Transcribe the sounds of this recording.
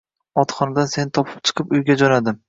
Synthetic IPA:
ɒt̪χɒnad̪anse̞nɪt̪ʰɒpʰɪ̥p̚t͡ʃʰɨ̥qʰɨpʊjɡʲad͡ʒɒnad̪ɪm

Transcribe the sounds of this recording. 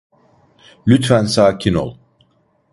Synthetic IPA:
lʲyt̪fænsaːcʰino̰lˠ

